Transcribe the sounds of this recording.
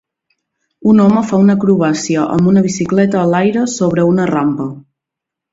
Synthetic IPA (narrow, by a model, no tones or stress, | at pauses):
unɔməfaunəkɾuβasiəʔə̰mbunəβ̞isiklɛt̪əːlajɾəsoβ̞ɾəunərampə